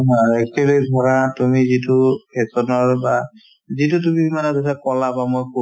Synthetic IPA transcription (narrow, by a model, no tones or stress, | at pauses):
ɦaɛkɛlojbʱɔɹatumizitukɛsɔnɔɹba | zit̬ut̬umimanɛtɔtʰakɔlabamojko